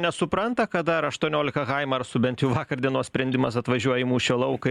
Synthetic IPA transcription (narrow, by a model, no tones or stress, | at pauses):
nʲɛsʊpɾɐnt̪ɐkɐt̪d̪ɐɾɐʃt̪uɔnʲoːlʲɪkɐkɐɪmɐɐrsʊbʲɛnt̪ʲjɛʊʋɑːkɐɾd̪ʲiɛnuɔsʲpʲɾʲɛnʲd̪ʲɪmɐsɐt̪ʋɐʒʲuɔjɪmuːʃʲoːlˠɐʊkɐ